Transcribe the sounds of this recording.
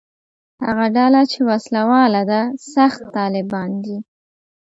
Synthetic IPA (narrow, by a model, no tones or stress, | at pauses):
ha̰ɣaɖalat͡ʃewaslawɑlad̪asaxt̪ːɑlɪbɑnd̪i